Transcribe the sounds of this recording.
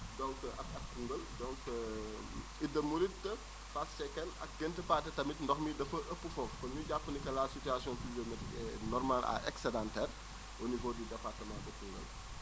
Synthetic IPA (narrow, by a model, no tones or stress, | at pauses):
dɔ̃ŋkʔɐk̚ɐk̚kuŋɡəldɔ̃ŋk | idɐmuɾit̚tə | fast͡ʃɛkɛnɐ̰k̚ɡɛntəpaːtɛtɐmitndɔxmidɐfɐʔəpːəfɔffɐnuɟapːənikɐlasityasjɔ̃pizomɛtɛnɔrmala̰ʔɛ̰ksɛdãntɛːr | ənivoːdydɛpartəmãdɐkuŋɡə̰l